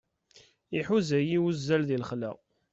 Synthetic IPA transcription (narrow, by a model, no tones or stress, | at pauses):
iħuzæjiwuzːælðilχlæ̰